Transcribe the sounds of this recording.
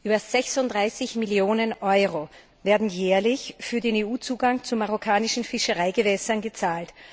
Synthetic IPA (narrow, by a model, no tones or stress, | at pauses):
ʔyːbɐz̥ɛçsʊntdʁaɪsɪçmɪljoːnənʔɔʏʁo | vɛːɐdn̩jɛːɐlɪçfyːɐdeːneːuːt͡suːɡaŋt͡sumaʁokʰaːnɪʃn̩fɪʃəʁaɪɡəvɛsɐnɡət͡saːlt